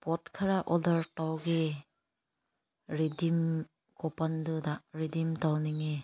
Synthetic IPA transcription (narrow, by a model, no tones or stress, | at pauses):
pɔtkʰaɾaʔɔdaɾtawɡe | ɾidim | kɔpandudaɾidimtawniŋe